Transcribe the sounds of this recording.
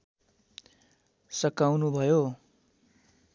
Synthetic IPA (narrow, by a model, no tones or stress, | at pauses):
sʌkawnubʱʌjo